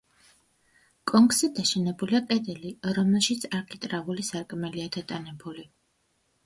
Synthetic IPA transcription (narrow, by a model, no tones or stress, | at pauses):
kʼɔŋkʼsid̪aʃɛnɛbuliakʼɛd̪ɛliɾɔmɛlˠʃit̪sʰaɾkʰit̪ʼɾavulisaɾkʼmɛliad̪at̪ʼanɛbuli